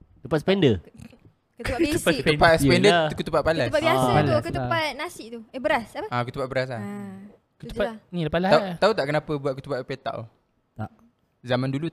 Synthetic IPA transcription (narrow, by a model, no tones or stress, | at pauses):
t̪upat̪sə̥pɛndə | kət̪ap̪upasəpɛndəkut̪upaʔ̚palapabiasaalukəupat̪̚nasɪʔt̪uəbəɾasapəakut̪upaʔ̪bəɾas̬ah | kut̪upanilapalaat̪aut̪aʔkənapəbuaʔ̪̚kut̪upaʔpet̪a̰ʔ | t̪a̰ʔ | zamandulu